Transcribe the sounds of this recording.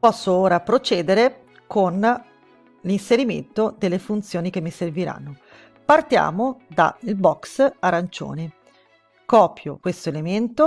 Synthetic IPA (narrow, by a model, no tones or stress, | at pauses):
pɔsːooːɾapɾot͡ʃɛːd̪eɾe | kʰon | linseɾimḛnt̪od̪elːefunt̪sjoːnik̟emːiserviɾa̰nːo | part̪ja̰ːmod̪a̰ilbɔksaɾant͡ʃo̰ːne | kɔːpjo̰kwest̪oelement̪o